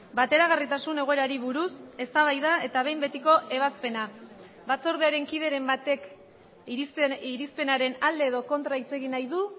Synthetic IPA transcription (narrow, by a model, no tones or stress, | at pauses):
bat̪e̞ɾaɣarit̪asune̞ɣ̞o̞e̞ɾaɾiβuɾuse̞st̪aβ̞ajðae̞t̪aβ̞e̞jmbe̞t̪iko̞ʔe̞βaspe̞na | bat͡so̞ɾð̞eaɾe̞ŋkið̞e̞ɾe̞mbat̪e̞k | siɾispe̞naɾe̞nald̪e̞ːð̞o̞ko̞nt̪ɾait͡se̞ɣinajðu